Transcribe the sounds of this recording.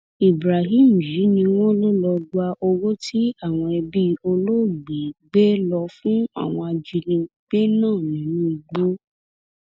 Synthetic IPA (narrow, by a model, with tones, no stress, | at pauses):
i˨bɾa˨ɦĩ˦˨m̩˨ji˨˦nĩ˧w̃ɔ̃˦lo˦lɔ˧ɡa˧ʔo˧wo˦tʰi˦a˦˨w̃ɔ̃˧ɛ˧bi˦o˧lo˦˨ɡ͡be˨ɡ͡be˦lɔ˧fũ˦a̰˦˨w̃ɔ̃˧a˧d͡ʒi˧lĩ˧ | ɡ͡b̥e˦nãː˦˨nĩ˨˦ũ˦i˧ɡ͡bo˦